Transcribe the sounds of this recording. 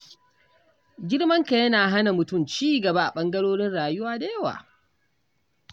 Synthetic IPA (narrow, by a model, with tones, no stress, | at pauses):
ɡʲɪ˦ɽmɐ˦ŋka˨jɐ˦naː˨ɦa˦na˨mʊ˨tʊ˦˨mt͡ʃiː˦ɡɐ˨ba˦ʔa̰˨ɓɐ˦ŋɡɐ˦ɽoː˦ɽɪ˦nɽaː˨jʊ˦waː˦da˨jɐ˦wa̰ː˨